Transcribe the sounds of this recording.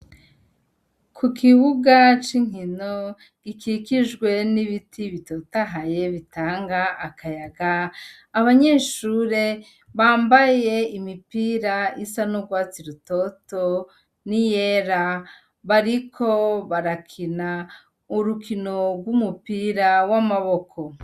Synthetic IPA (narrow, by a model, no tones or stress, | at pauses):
kʰukʰiβuɡat͡ʃiŋ̥ino | ɡ̥ikikiʒɡwe̞niβitʰiβito̞taɦaje̞βitaːŋɡaːkʰajaɡaː | βaɲe̞ʃuɾe̞ | βaːmbaje̞imipiɾaisanuɡwaːt͡siɾuto̞to̞ | nijeɾa | βaɾikʰoβaɾakʰina | uɾukino̞ɡwumupiɾawamaβo̞kʰo̞